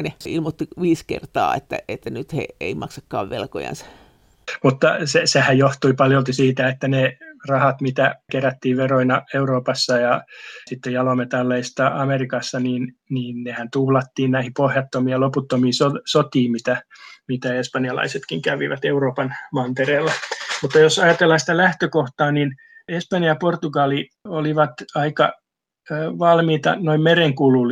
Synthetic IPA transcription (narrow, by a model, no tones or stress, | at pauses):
neilmot̪ːiʋiːskḛrt̪ɑ̰ːḛt̪ːæ̰et̪ːænyt̪hḛeimɑksɑkːɑ̰ːʋʋelko̰jɑ̰nsɑ̥ | mut̪ːɑsesehæjjoht̪uipɑljolt̪isiːt̪æet̪ːænerɑhɑt̪mit̪ækeræt̪ːiːʋʋeroinɑeuroːpɑsːɑjɑsit̪ːejɑlomet̪ɑlːeist̪ɑɑmerikɑsːɑniːn | niːnnehænt̪uhlɑt̪ːiːnnæihipohjɑt̪ːomiɑloput̪ːomiːsosot̪iːmit̪æmit̪æespɑnjɑlɑ̰iset̪kiŋkæʋḭʋæ̰t̪euroːpɑnmɑnt̪ereːlːɑmut̪ːɑjosɑjɑt̪elːɑsi̥t̪ælæht̪økoht̪ɑːnin | espɑnjjɑport̪uɡɑli | oliʋɑt̪ɑikɑ̰ː | ʋɑlmiːt̪ɑ̰noimmereŋkulul